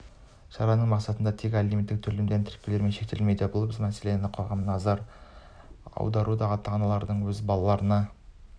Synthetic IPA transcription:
ʃɑɾɑnəɴmɑqsɑt̪ənd̪ɑt̪ʰekʲalimʲit̪ːɪk̚t̪ʰʏɾlemd̪ent̪ʰɪ̥ɾkʲːele̞ɾme̞nʃe̞k̚t̪elmejd̪ebʊlˠbɪzmæse̞le̞nɪqʰo̞ʁɑmnɑzɑɾ | ɑ̰wd̪ɑɾud̪ɑʁɑt̪ʰːɑʁɑnɑlˠɑɾd̪əɴwɵzbɑlˠɑlˠɑɾənɑ

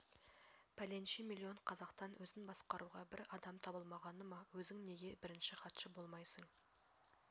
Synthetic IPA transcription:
pʰælenʃimilʲˠːio̞ɴqʰɑzɑqt̪ɑnwʔɵzɪnbɑsqɑɾʔuʁɑbɪɾɑd̪ɑmt̪ʰɑbəlˠmɑʁɑnəmɑwɵzɪŋne̞ɡʲe̞bɪɾɪnʃɪχɑt̪ʃəbo̞lˠmɑjsəɴ

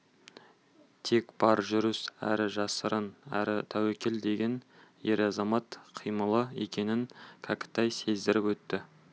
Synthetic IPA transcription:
t̪ʰe̞kb̥ɑɾʒʏɾəsæ̰ɾɪʒɑsəɾənæ̰ɾɪt̪ʰæwekʲeld̪e̞ɡʲe̞nje̞ɾɑzɑmɑt̪qʰijməlˠəe̞̰kʲe̞nɪŋkʲʰɑkʲɪ̥t̪ɑjse̞zd̪ɪɾɪpwɵt̪ːɪ

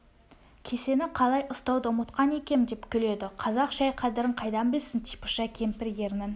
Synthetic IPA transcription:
kʲʰe̞se̞nɪqʰɑlˠɑjʔʊst̪ɑwd̪əmət̪qɑne̞kʲe̞md̪epkʲʰʏle̞d̪ɪqʰɑzɑqʒɑjqʰɑd̪ɪɾɪɴqʰɑjd̪ɑmbɪlsɪnt̪ʰijpə̥ʃɑkʲʰe̞mpɪɾje̞ɾnɪn

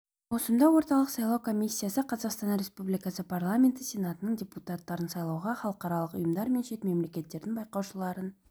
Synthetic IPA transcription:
wo̞sənd̪ɑwo̞ɾt̪ɑlˠəqsɑjlˠɑwkʰo̞mʲisʲːijasəqʰɑzɑqst̪ɑnɾʲe̞spublijkasəpʰarlˠamʲe̞nt̪əsʲe̞nat̪ənəɴdʲeput̪at̪ːɑɾənsɑjlˠɑwʁɑχɑlˠəqɑɾɑlˠəqʊ̰jəmd̪ɑɾme̞nʃe̞t̪me̞mle̞kʲe̞t̪ːe̞ɾd̪ɪŋbɑjqɑwʃəlˠɑɾən

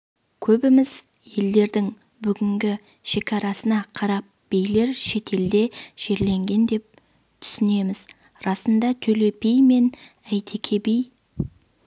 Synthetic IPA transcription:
kʲʰɵbɪmɪz̥ | je̞ld̪e̞ɾd̪ɪŋ | bʏɡʲɪŋɡʲɪ | ʃe̞kʲʰɑɾɑsənɑqʰɑɾɑp̚b̥ejle̞ɾʃe̞t̪ʰe̞ld̪e̞ʒ̥e̞ɾle̞ŋɡʲe̞nd̪e̞p̚ | t̪ʰʏ̥sɪne̞mɪz | ɾɑsənd̪ɑt̪ʰɵle̞pʰejme̞n | æjt̪ʰe̞kʲʰebej

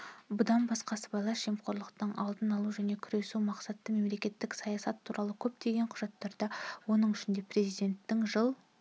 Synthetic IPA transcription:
bʊd̪ɑnbɑsqɑsəbɑlˠɑʃemqʰo̞ɾlˠəqt̪ɑnɑlˠd̪ənɑlˠuʒæne̞kʲʰʏɾe̞sumɑqsɑt̪ːəme̞mle̞kʲe̞t̪ːɪksɑjɑsɑt̪ʰːuɾʔɑlˠəkʲʰɵp̚t̪e̞ɡʲe̞ɴqʰʊʒ̥ɑt̪ːɑɾd̪ɑwo̞nəɴʏʃɪnd̪e̞pre̞zijd̪e̞nt̪ːɪŋʒəlˠ

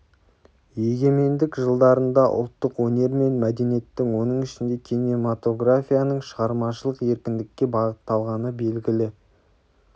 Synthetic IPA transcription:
je̞ɡʲe̞me̞nd̪ɪkʒəlˠd̪ɑɾənd̪ɑʔʊ̰lˠt̪ːəqwɵne̞ɾme̞nmæd̪e̞nije̞t̪ːɪŋwo̞nəɴɪʃɪnd̪e̞kʲʰinemat̪o̞ɡrafʲijanəɴʃəʁɑɾmɑʃəlˠəqe̞ɾkʲɪnd̪ɪkʲːe̞bɑʁət̪ːɑlˠʁɑnəbe̞lɡʲɪlɪ

